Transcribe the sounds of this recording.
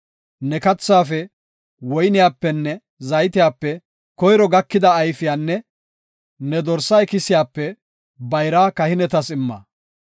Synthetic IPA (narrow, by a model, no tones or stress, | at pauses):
nɛkɐt͡sːaːfɛ | wɔjnɪjaːpːɛnːɛ | zɐjt̪ɪjaːpːɛ | kɔjɾɔɡɐkːɪd̪ɐːjfɪjaːnːɛ | nɛd̪ɔɾsɐjkɪsɪjaːpːɛ | bɐjɾaːkɐhɪnɛt̪ɐsɪmːɐ̰